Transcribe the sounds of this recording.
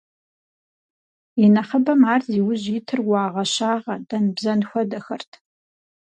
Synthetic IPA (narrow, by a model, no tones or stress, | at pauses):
inɐχəbɐmaːrziːwʊʑitʰɨrwʷɑːʁɐɕaːʁɐdɐnbzɐnxʷɐdɐxɐrtʰ